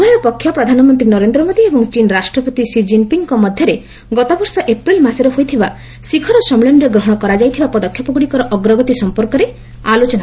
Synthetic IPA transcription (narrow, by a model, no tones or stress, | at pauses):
bʱajɔpɔkʰːjɔpɾɔd̪ʱanɔmɔnt̪ɾinɔɾend̪ɾɔmod̪iebɔŋt͡ʃinɾasʈɾɔpɔt̪isid͡ʒimpiŋkɔmɔd̪ʱjɔɾe | ɡɔt̪ɔbɔɾsɔʔepɾilmasɔɾɔɦojt̪ʰiba | sikʰɔɾɔsɔmiɭenɾeɡɾɔɦɔɽ̃ɔkɔɾad͡ʒajt̪ʰibapɔd̪ɔkʰjɔpɔɡuɽikɔɾɔʔɔɡɾɔɡɔt̪isɔmpɔɾkɔɾe | alot͡ʃɔna